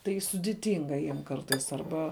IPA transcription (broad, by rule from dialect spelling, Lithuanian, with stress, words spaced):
tɐɪ sʊdʲɪˈtʲɪŋɡɐ ˈjiɛm ˈkɐrtɐɪs ɐrˈbɐ